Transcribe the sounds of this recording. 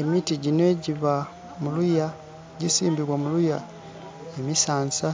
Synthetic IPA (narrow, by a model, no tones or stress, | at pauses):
emitiɟinwe̞ɟiβa | muluja | ɟisiːmbiɾwamuluja | emisaːnsa